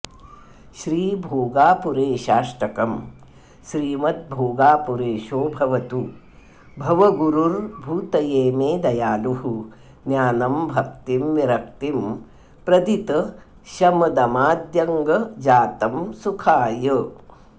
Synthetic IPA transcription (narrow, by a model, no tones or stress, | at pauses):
ʃɾiːbʱoːɡaːpuɾeːʃaːʂʈɐkɐm | ʃɾiːmɐt̪̚bʱoːɡaːpuɾeːʃoːbʱɐʋɐt̪u | bʱɐʋɐɡuɾuɾbʱuːt̪ɐjeːmeːd̪ɐjaːluɦu | njaːnɐmbʱɐk̚t̪imʋiɾɐkt̪im | pɾɐd̪it̪ɐ | ʃɐmɐd̪ɐmaːd̪jɐŋɡɐd͡ʒaːt̪ɐmsukʰaːjə